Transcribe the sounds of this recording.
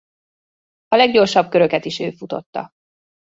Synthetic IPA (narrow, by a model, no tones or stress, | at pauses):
ɒlɛɡɟo̞rʃɒb̚køɾøkɛt̪iʃøːfut̪o̞̰t̪ːɒ̰